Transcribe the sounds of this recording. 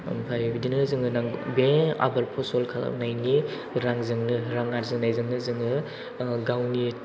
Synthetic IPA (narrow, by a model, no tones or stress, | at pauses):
mpʰajbidinɯzɯŋɯnaŋbea̰bɐɾpʰɔsɔlkʰala̰najni | ɾaŋzɯŋnɯɾaŋaɾzɯŋnajzɯŋnɯzɯŋɯ | ɡawni